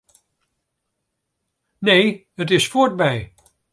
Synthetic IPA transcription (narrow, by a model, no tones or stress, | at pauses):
nej | ət̬ɪsfʊːɹt̚bɛj